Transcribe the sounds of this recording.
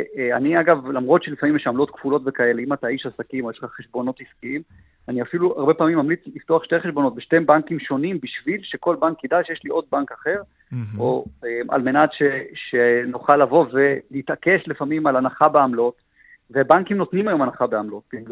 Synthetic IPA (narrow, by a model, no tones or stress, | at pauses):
aniaɡavlamʁo̞t̪ʃelifamimjɛʃamlo̞t̪kv̥ulo̞tvekae̞leimat̪aiʃasakimojeʃleχaχeʃbo̞no̞t̪hiskiim | aniafiluaʁbe̞paːmimːamlit͡slift̪oaχʃteχeʃbono̞t̪̚beʃte̞mbankimʃo̞nimbiʃvilʃe̞ko̞lbankːid̪aʃjeʃliʔo̞d̪̚bankaχe̞ʁ | oemʔa̰lme̞natʃeʃenoχalːavo̞ve̞lit̪ake̞ʃlefamimalanaχabeamlo̞t | vebaŋkimno̞t̪nimajo̞manaχabeamlo̞t̪̚b̥i